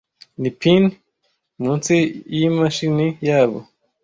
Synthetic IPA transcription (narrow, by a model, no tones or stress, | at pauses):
nipin | mũːnsijimaʃinejaːβo̰